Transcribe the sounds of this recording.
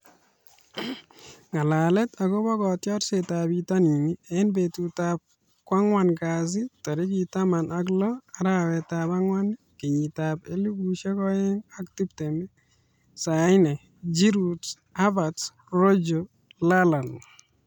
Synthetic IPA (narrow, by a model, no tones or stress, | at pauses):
ŋalalɛtaɡɔbɔkɔtjɔɾsetabitaninieɪnbetutap̚ | kwaŋwankaz̬itɔɾikitamanʔak̬lɔaɾawɛtapaŋwan | keɲitapeluɡuʃekɔɛŋaktup̚tɛmɛ | saɪnɛ | d͡ʒiɾut | abats | rod͡ʒo | lalan